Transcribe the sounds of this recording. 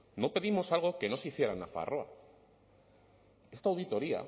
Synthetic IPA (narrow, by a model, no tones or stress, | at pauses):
no̞pe̞ðimo̞salɣ̞o̞ke̞no̞siθje̞ɾanafa̰rʔoa̰ | e̞st̪awðit̪o̞ɾia̰